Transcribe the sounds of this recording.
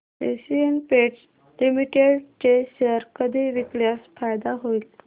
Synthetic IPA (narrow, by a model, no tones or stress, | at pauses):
ḛsiənpeʈs | limiʈeɽt͡ɕeɕəɾkəd̪ʱiʋikljasfajd̪aɦoil